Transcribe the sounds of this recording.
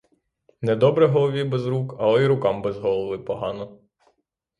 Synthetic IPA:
nɛd̪ɔbɾɛɦɔlˠɔʋʲibɛzɾukɐlˠɔiɾʊkɑmbɛzɦɔlˠɔʋɪpɔɦɑnɔ

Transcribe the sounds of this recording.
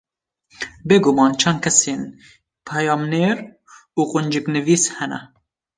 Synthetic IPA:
beːɡomɑːnt͡ʃʰɛnd̪kʰɛseːn | pʰɛjɑːmneːɾ | uːqʊnd͡ʒɨknɨviːshɛnɛ̰

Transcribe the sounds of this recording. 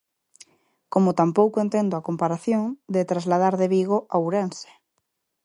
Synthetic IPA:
komot̪ampowkoent̪end̪oakompaɾaθjõŋd̪et̪ɾazlað̞aɾðeβiɣ̞oʔawɾense̥

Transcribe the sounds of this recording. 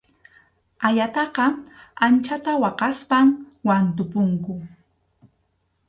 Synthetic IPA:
aʎat̪ɑqɑant͡ʃat̪awɑqɑspamwant̪ʊpʊŋkʊ

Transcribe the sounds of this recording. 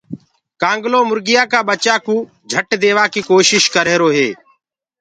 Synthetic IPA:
kãːŋɡloːmʊɾɡɪjaːkaːɓət͡ʃaːkũː | d͡ʒʱəʈd̪eːʋaːkiːkoːʃɪʃkəɾeːɾoːɦeː

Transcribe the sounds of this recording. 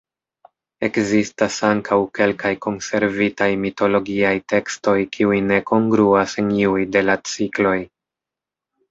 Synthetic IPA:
e̞kzistasaŋkʰawke̞lkajko̞nse̞ɾvitajmito̞lo̞ɡiajte̞ksto̞jkʰiujne̞ko̞ŋɡɾuase̞niujde̞lat͡siklo̞j

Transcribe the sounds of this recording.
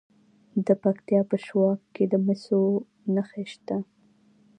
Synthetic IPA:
d̪əpakt̪jɑpəʃwɑkkːed̪əmɪso | naxeʃt̪a

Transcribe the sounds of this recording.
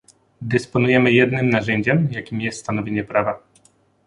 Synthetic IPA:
d̪ɛspɔnujɛmɘjɛd̪nɘmnaʐɛɲd͡ʑɛmjakʲimjɛst̪st̪an̪ɔvʲjeɲɛpɾava

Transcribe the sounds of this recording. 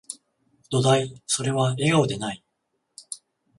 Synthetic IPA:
d̪̥o̞d̪aiso̞ɾe̞βae̞ɡao̞d̪e̞nai

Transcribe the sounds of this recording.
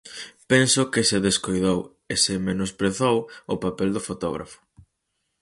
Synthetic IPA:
pɛnsʊkɪsɪðeskojðow | esɪmenospɾeθowʊpapɛld̪ʊfot̪ɔɣɾa̰fʊ̥

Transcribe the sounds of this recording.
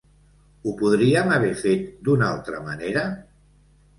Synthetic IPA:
upuð̞ɾiamaβ̞ɛfet̪̚d̪unalˠt̪ɾə̰maneɾə

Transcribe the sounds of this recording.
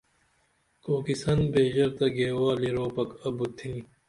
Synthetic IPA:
koːkisɐnbeːʑɐɾt̪ɐɡeːwaːliɾoːpɐkɐbut̪ʰĩː

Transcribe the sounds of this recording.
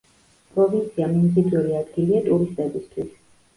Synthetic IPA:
pʼɾɔbint̪sʰiamimzid̪ʰuɾiad̪ɡiliat̪ʼuɾist̪ʼɛbist̪ʰwis

